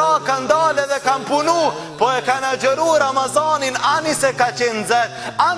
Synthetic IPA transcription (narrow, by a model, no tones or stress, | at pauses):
ɔkand̪ɔːlɛðɛkampunu | pɔɛkanad͡ʒɔɾuːɾamazɔːninanisɛkat͡ʃenzɛt̪̚a